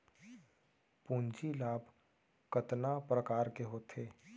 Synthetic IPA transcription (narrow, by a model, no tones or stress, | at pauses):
pũːnd͡ʒilaːbʱ | kət̪napɾəkaːɾkeɦoːt̪ʰeː